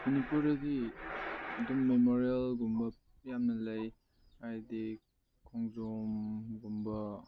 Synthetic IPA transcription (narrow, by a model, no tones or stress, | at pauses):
munipuɾɐdi | ɐdumːemoɾiɐlɡumbɐ | jamnɐlɐj | ajdi | kʰɔŋzomɡumbɐ